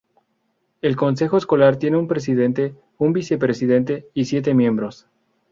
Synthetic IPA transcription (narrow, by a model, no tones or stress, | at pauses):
e̞lko̞ns̬e̞xoesko̞laɾt̪je̞neumpɾe̞s̬iðe̞nt̪e̞ | umbise̞pɾesiðe̞nt̪e̞isje̞t̪e̞mje̞mbɾo̞s